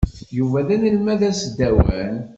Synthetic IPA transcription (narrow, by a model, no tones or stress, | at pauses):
juvælænəlmæðæsd̪ːæwæ̰n